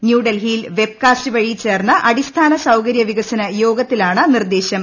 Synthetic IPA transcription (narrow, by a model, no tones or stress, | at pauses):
njuːɖɐlɦiːlʋe̞b̚kaːstɨʋɐɻit͡ɕe̞ːrnːɐʔɐɽist̪ʰaːnɐsɐwkɐɾjɐʋiɣɐsɐnɐjo̞ːɡɐt̪ːilaːɳɨnird̪eːɕjɐm